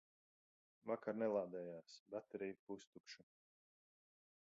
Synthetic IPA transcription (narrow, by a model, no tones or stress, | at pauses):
vakaɾnɛlˠaːd̪ɛːjaːsbat̪ɾiːpust̪ukʃu